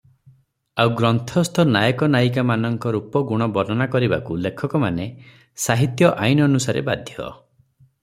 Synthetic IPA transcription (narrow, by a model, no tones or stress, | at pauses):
awɡɾɔnt̪ʰɔst̪ʰɔnajɔkɔnajkamanɔŋkɔɾupɔɡuɽ̃ɔbɔɾɔnakɔɾibakulekʰɔkɔmane | saɦit̪jɔʔajnɔnusaɾḛba̰d̪ʱjɔ̰